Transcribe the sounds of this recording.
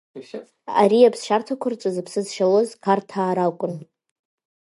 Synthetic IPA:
a̰ɾiapʰsʃartʰakʷʰʊrt͡ʃʷʼazapʰsɨzʃalozkʰartʰaːɾakʷʼʊn

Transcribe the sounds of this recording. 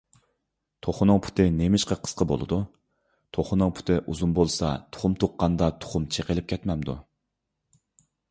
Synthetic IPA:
t̪ʰoχʊnʊŋpʰu̥t̪ʰɪnemɪʃqɑqʰə̥sqʰəbo̰lˠɨ̰d̪u | t̪ʰoχʊnɨŋpʰu̥t̪ʰɪʔuzunbolˠsɑt̪ʰo̥χʊmt̪ʰoqːɑnd̪ɑt̪ʰo̥χʊmt͡ʃʰeqəlɪp̚kʲɛt̪mɛmd̪ṵ

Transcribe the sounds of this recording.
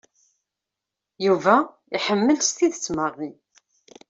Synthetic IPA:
juvæ | iħəmːəlst̪iðət͡sːməʁːi

